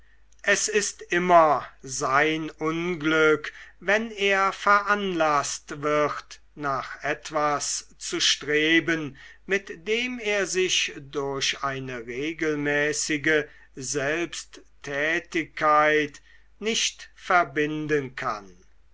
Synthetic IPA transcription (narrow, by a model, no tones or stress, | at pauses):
ʔɛsɪstʔɪmɐzaɪnʊnɡlʏkvɛneːɐfɛɐʔanlastvɪχt | naːχɛtv̥ast͡suʃtʁ̥eːbənmɪtd̥eːmeːɐzɪʃdʊɐɕaɪnəʁeːɡəlmɛːsɪɡə | zɛlpstʰː | ɛːtɪkʰːaɪt | nɪʃtfɛɐbɪndənkʰa̰n